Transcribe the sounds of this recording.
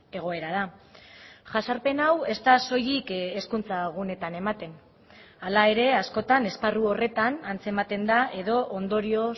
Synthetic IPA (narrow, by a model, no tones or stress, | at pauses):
e̞ɣ̞o̞e̞ɾaða | ʝasaɾpe̞nawe̞st̪aso̞jikeskunt͡saɣ̞une̞t̪ane̞mat̪e̞n | alae̞ɾe̞asko̞t̪ane̞sparuo̞re̞t̪anant͡se̞mat̪e̞nd̪aʔe̞ðo̞ʔond̪o̞ɾio̞